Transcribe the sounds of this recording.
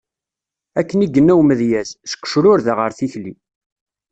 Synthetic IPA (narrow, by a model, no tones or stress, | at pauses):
ækːəniɡənːæwməðjæzsə̥kːʃɾʊɾðəʁəɾθiçli